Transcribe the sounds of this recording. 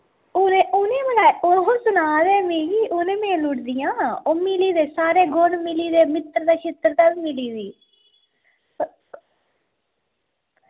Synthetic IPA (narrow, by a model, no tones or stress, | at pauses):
ʊneːʔʊnẽːmənaːosʊnaːd̪eːmeːɡiːʔʊnẽːmẽːlʊʈd̪ɪjãːoːmɪliːd̪eːsaːɾeːɡonmɪliːd̪eːmɪt̪ɾd̪aːt͡ʃʰɪt̪ɾt̪aːʋiːmɪliːdiː